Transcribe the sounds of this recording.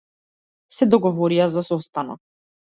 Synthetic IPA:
sɛd̪ɔɡɔvɔɾijazasɔst̪ana̰

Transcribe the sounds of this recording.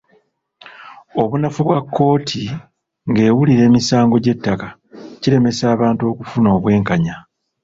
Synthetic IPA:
o̞βunafuβwakʰːo̞ːtʰi | ŋɡe̞ːwuliɾe̞ːmisaːŋɡo̞ɟe̞tːaka | ciɾe̞me̞saːβaːntuo̞ːkufunoːβwe̞ːŋkaɲa

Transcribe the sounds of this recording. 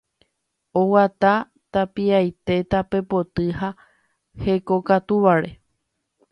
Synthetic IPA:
o̞wat̪a | t̪apiajt̪e̞t̪ape̞po̞t̪ɨɦa | he̞ko̞kat̪uʋaɾe̞

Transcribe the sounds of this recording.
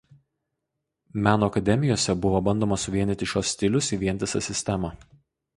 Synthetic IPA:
mʲæːnoːɐkɐd̪ʲɛmʲɪjoːsʲɛbʊʋoːbɐnʲˑd̪oːmɐsʊʋʲiɛnʲɪt̪ʲɪʃʲoːsːʲt̪ʲɪlʲʊsiːʋʲiɛnʲt̪ʲɪsɐ̰sʲɪsʲt̪ʲɛmɑ

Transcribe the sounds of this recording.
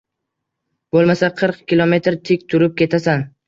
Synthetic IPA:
b̥olˠmasaqʰɨɾqkʲʰilˠome̞t̪ɾt̪ʰɪkʲt̪ʰʊɾɪp̚kʲe̞t̪ʰasan

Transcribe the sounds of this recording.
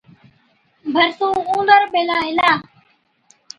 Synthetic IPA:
bʱəɾsũːũːnd̪əɾɓeːlaːɪlaː

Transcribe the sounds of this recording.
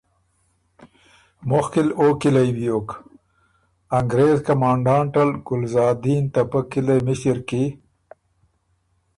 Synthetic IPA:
mʊxkiloːkilajwijoːk | aŋɡɾeːzkɐmɑːɳɖɑːɳʈalɡʊlzɑːd̪iːnt̪apəkilemɪsiɾki

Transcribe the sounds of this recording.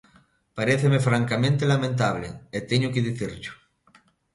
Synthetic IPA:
paɾeθemefɾaŋkamẽnt̪elamẽnt̪̬aβlḛet̪eɲʊkeðiθiɾʎʊ̥

